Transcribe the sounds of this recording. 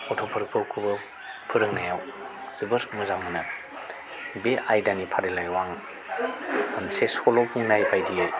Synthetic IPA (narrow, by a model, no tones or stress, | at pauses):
ɔtʰɔpʰɯɾɯk̚pʰɯkʰubɯ | pʰɯɾɯŋnajawz̥ɯbɯɾɯmɯzaŋmɯna | beajdanipʰaɾelajwaŋ | ɯnsesɔlɔpʰuŋnajbajdiaj